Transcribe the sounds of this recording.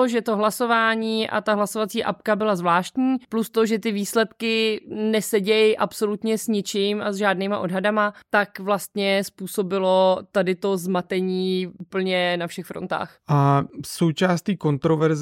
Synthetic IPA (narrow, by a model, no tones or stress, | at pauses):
oʒɛt̪o̞ɦlaso̞vaːɲiːʔa̰t̪aɦlaso̞vat͡siːʔa̰p̚kabɪlazvlaːʃt̪ɲiːplust̪o̞ʒɛt̪ɪviːslɛt̪kɪnɛsɛɟɛjʔapso̞lut̪ɲɛsɲɪt͡ʃɪmʔazʒaːdniːmaʔo̞dɦadamat̪akvlast̪ɲɛspuːso̞bɪlo̞t̪adɪt̪o̞zmat̪ɛɲiːʔupl̩ɲɛnafʃɛxfɾont̪a̰ːxʔaso̞wt͡ʃaːst̪iːko̞nt̪ɾovɛɾz